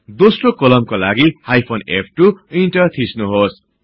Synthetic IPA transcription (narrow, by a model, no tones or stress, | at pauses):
d̪osrokʌlʌmkolaɡihajpʰonep̚ʰʈuinʈʌt̪ʰisnuɦos